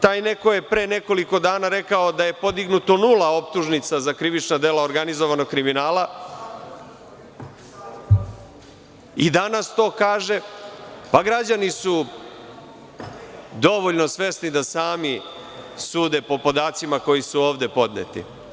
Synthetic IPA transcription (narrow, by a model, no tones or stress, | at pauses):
t̪aːjne̞ko̞je̞pɾeːne̞ko̞liko̞d̪aːnaɾe̞kao̞d̪ajepo̞d̪iɡnut̪o̞nulao̞p̚t̪uʒnit̪sazakɾiʋit͡ʃnad̪e̞laoɾɡanizoʋano̞ɡ̚kɾiminaːla | id̪anast̪o̞ːkaːʒe̞paɡɾad͡ʑanisu | d̪o̞ʋoʎno̞sʋe̞snid̪asaːmi | suːd̪e̞po̞po̞d̪aːt̪simako̞jisuo̞ːʋd̪e̞po̞d̪nḛt̪ḭ